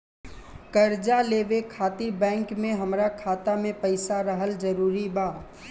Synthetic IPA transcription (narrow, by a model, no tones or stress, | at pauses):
kɐɾd͡ʒaleːʋekʰaːt̪ibɛ̃ːŋkmẽɦɐmɾakʰaːt̪amẽpɐɪsaɾɐɦəld͡ʒɐɾuːɾibaː